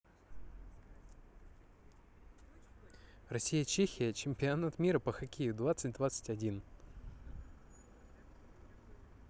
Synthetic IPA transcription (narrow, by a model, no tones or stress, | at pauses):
rɐsʲijət͡ɕexʲɪjət͡ɕɪmʲpʲɪɐnat̪mʲiɾəpəxɐkʲejʊd̪vat̪sɨt̚ʲd̪vat̪sɨ̥tʲɐdʲin